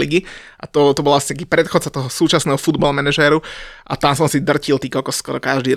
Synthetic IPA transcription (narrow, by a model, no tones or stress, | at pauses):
liɡi | ʔat̪ɔt̪ɔbɔlaasi̥ak̬iːpɾɛt̪xɔt̪t͡sat̪ɔɦɔsuːt͡ʃasnɛːɦɔfud̪balmɛnɛʒɛːɾuʔa̰t̪amsɔmsid̪r̩cilˠt̪iːkɔlkɔskɔɾɔkaʒd̪iː